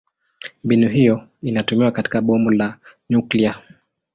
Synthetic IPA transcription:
mbinuɦijɔinatumiwakati̥kaɓɔmulaɲuklia

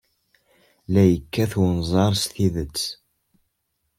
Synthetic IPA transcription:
læjəkːæθwnzˤɑɾˤst̪iðət͡sː

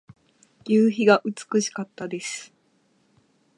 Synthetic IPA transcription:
jɯːçiɡaʔɯ̟t͡sɨ̥kɯ̟ɕi̥kat̪ːad̪e̞sɨ̥

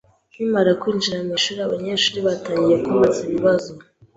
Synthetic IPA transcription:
nwiːmaɾakwiːnd͡ʒiɾamiːʃuːɾiaβaɲeʃuːɾiβataːɲɟije̞kumaziβiβazo

